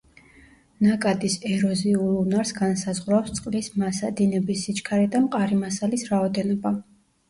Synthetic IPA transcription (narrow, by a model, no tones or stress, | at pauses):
nakʼad̪isɛɾɔziulunaɾsɡansazʁɾawst̪sʼqʼlismasad̪inɛbisːit͡ʃʼkʰaɾɛd̪amqʼaɾimasalisɾaɔd̪ɛnɔba